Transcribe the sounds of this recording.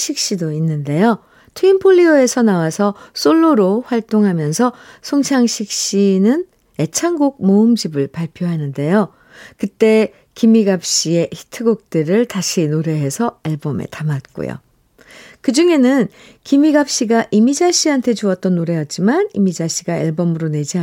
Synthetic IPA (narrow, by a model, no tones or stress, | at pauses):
ɕʰik̚ɕ͈idoinːɯnde̞jo | tʰuimpʰoʎːioe̞sʰʌnawasʰʌs͈oɭːoɾoɸwaɭt͈oŋɦamjʌnsʰʌsʰoŋt͡ɕʰaŋɕʰik̚ɕ͈inɯn | e̞t͡ɕʰaŋɡuɡ̚moɯmd͡ʑibɯɭpaɭpʰjoɦanɯnde̞jo | kɯt͈e̞ | kimiɡap̚ɕ͈ie̞çi̥tʰɯɡok̚t͈ɯɾɯɭtaɕʰinoɾe̞ɦe̞sʰʌeɭbʌmḛtamat̚k͈o̰jo̰ | kɯd͡ʑuŋe̞nɯn | kimiɡap̚ɕ͈iɡaʔimid͡ʑaɕ͈iɦantʰe̞t͡ɕuʌt̚t͈ʌnːoɾe̞jʌt̚t͡ɕ͈imanḭmid͡ʑaɕ͈iɡaeɭbʌmɯɾone̞d͡ʑiɦa